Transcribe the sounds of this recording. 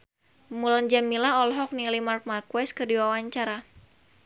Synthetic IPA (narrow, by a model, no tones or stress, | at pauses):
muland͡ʒamilaɔlɦɔk̚nilimark̚markwɛskɨrdiwawaɲt͡ʃaɾa